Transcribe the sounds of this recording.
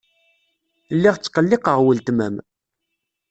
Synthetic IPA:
lːiʁt͡sːqːəlːɪqəʁwəlt̪mæ̰m

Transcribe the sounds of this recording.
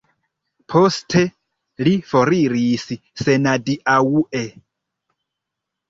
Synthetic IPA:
pʰostʰe | lifoɾiɾisi | se̞nadiʔauʔe

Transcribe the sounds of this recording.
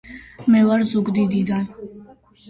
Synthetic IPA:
mɛvaɾzuɡd̪id̪id̪an

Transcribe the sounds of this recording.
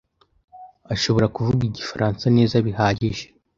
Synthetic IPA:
aʃo̞βo̞ɾakuvuɡiɟifaɾʔaːnsane̞ːzaβihaːɟiʒe̥

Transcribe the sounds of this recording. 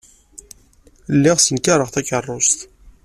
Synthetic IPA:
lːɪʁsənkaɾˤəʁθækərˤːost̪

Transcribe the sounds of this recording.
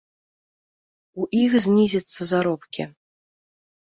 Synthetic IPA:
uʔixzʲnʲizʲɐt̪sːɐzaɾɔpkʲḭ

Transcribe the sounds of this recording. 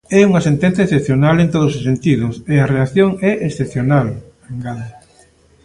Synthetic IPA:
ɛuŋɐsent̪ẽnθjɐesθepθjonalent̪oðʊsosent̪iðʊseɐreaθjoŋɛʔesθepθjonal | aŋɡaðe

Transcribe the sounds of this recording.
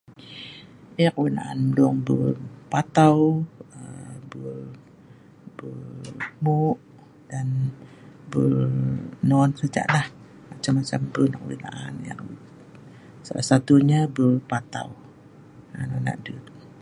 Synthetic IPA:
iakəwina̰ʔanmdɔŋbəpat̪awəbə | bəmuʔ | d̥an | bə | nɔnsəd͡ʒa̰ʔlah | mat͡ʃamːat͡ʃambənakəwḭna̰ʔanja̰ŋ | salahsat̪uɲabəpat̪a̰w | anɔna̰ʔdut̪

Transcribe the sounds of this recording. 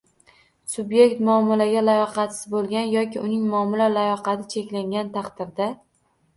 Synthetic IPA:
sʊbje̞kʲt̪mʊɒmalaɡʲalajɒqɑt̪sɪ̥zbolˠɡʲanjɒkʲɪʔʊnɪŋmʊɒmɪlalajɒqɑt̪ʰɪt͡ʃʰe̞kʲlaŋɡʲant̪ʰɑqd̪ɪɾd̪a

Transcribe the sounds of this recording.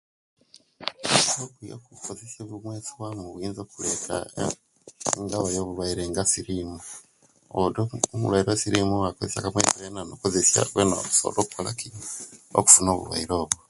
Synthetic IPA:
okujo̰kukozesjeβumweːt͡siwamuβiːnzoːkulekʰa̰ | eŋɡaβajoːβuβaiɾeŋɡasiɾiːmu | odomuβwaiɾosiɾimuwakozesjakamwḛt͡siβenanokozesja̰βwenaku̥so̰lokukolakio̰ku̥funoβṵβwa̰iɾoːβo

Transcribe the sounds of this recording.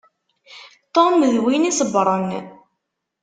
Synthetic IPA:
t̪ˤoməðwinisəbɾˤən

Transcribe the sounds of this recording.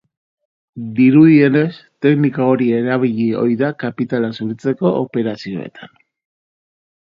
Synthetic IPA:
d̪iɾuðie̞ne̞st̪e̞knikao̞ɾie̞ɾaβ̞iʎio̞̰jðakapit̪alasuɾit͡se̞ko̞ʔːpe̞ɾasio̞e̞̰t̪ʰḁn

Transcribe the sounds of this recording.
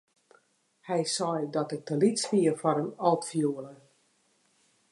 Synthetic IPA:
hɛjsɔjdɔtɪk̚dəlitspiəfɔɾənɔlˠtfjuələ

